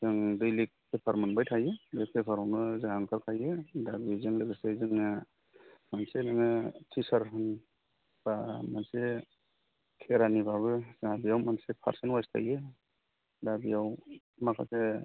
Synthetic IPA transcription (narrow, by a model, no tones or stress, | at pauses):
zɯŋdɯjlik̚ːepʰaɾmanbajtʰajɯdk̚ʰekʰaɾɔwnɯzaɦaŋkʰaɾkʰajɯdabizɯŋlɯɡɯsezɯŋnɯ | mansenaŋɯtʰisaɾɦɯn | b̥amanse | kʰeɾanibaβɯzaabijawmansepʰa̰ɾsenwastʰa̰je | dabijaw | makʰa̰se